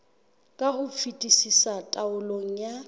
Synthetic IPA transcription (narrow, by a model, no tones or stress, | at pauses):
kʼahʊp̪fʰitʼisisatʼaʊloŋ̩ja